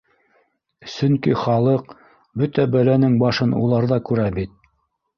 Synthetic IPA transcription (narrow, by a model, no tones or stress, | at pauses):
sɵŋkiχɑlˠɤq | bɵt̪æbælænɘŋbɑʃɤnṵlˠɑɾðɑkʉɾæbit̪̚